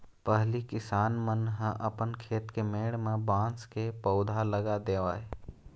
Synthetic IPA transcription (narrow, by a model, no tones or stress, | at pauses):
pəɦlikɪsaːnmənɦə̃ʔəpənkʰeːt̪kemeːɽmẽbãːskepəʊd̪ʱaləɡad̪eːʋaːe